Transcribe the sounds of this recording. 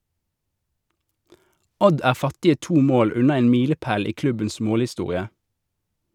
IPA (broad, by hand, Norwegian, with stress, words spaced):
ˈɔd ˈæːʁ ˈfɑtɪə ˈtuː ˈmoːl ˈʉnɑ ˈeːn ˈmiːləˌpæːl ˈiː ˈklʉbəns ˈmoːlɪˌstuːʁɪə